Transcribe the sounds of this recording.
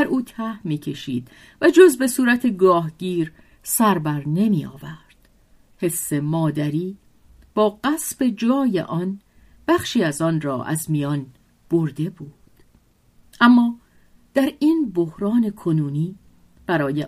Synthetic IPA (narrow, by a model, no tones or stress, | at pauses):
æɾʔuːt̪ʰæhmiːcʰe̞ʃḭːd̪̥ | væd͡ʒo̞zbe̞suːɾæt̪ʰe̞ɡɒːɦɟiːɾ | sæɾbæɾne̞miːɒ̰ːvæɾd̪̥ | he̞sːe̞mɒːd̪æɾiː | b̥ɒːɢæsb̥e̞d͡ʒɒːjḛʔɒn | b̥æxʃiːæzɒːnrɒ̰ːʔæ̰zmijɒːn | b̥oɾd̪e̞buːd̪̥ | ʔæmːɒː | d̪̥æɾinbo̞hɾɒːne̞kʰo̞nuːniː | b̥æɾɒːje